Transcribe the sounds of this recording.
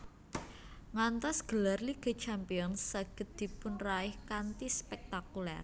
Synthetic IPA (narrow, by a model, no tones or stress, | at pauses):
ŋant̪ɔsɡ̥ə̤larliɡ̥ə̤t͡ʃampiɔnssaɡ̥ə̤t̪̚d̪̥i̤pʊnraɪhkant̪ispɛk̚t̪akulɛ̰r